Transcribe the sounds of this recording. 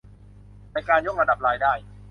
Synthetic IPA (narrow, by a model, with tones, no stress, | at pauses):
pa˧jkaː˧njo˦˥˩k̚ɾa˧da˨˩p̚ɾaː˧jdaː˥˩j